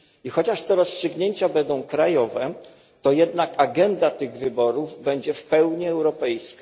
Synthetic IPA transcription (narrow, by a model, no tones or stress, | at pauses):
ixɔt͡ɕaʂt̪ɛɾɔstʂɘɡɲeɲt͡ɕabɛnd̪ɔ̃w̃kɾajɔvɛ | t̪ɔjɛd̪nakaɡɛnd̪at̪ɘɣvɘbɔɾuvbɛɲd͡ʑɛfpɛwɲiɛwɾɔpɛjska